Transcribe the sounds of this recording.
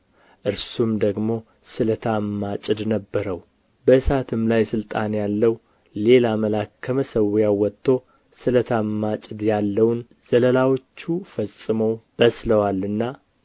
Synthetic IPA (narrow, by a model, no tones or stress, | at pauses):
ʔɨɾsumd̪əɡmo̞ | sɨlət̪ʰamːat͡ʃʼɨd̪nəbːəɾəw | bəɨsat̪ʰɨmlajsɨlt̪ʼanjalːəw | le̞laməlakːʰəməsəwjawɔt̪ʰːo | sɨlət̪ʰamːat͡ʃʼɨd̪jalːəwn | z̥ələlawo̞t͡ʃːufəsʼːɨməwb̥əsləwalːɨnːa